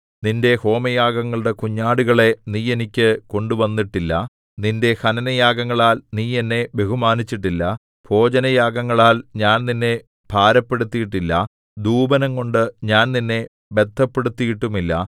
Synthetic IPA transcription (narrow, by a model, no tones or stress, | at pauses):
ninde̞ho̞ːmɐjaːɡɐŋːɐɭuɽe̞kuɲːaːɽuɣɐɭe̞niːje̞nikʲːɨko̞ɳɖuʋɐnːiʈːilːɐ | ninde̞hɐnɐnɐjaːɡɐŋːɐɭaːlniːe̞nːe̞be̞ɦumaːnit͡ɕːiʈ̬ːilːɐ | b̥ʰʱo̞ːd͡ʑɐnɐjaːɡɐŋːɐɭaːlɲaːnninːe̞ | b̥ʱaːɾɐpːe̞ɽut̪ːijiʈːilːɐ | d̪uːbɐnɐŋko̞ɳɖɨɲaːnninːe̞ | be̞d̪ʰʱːɐpːe̞ɽut̪ːijiʈːumilːɐ̰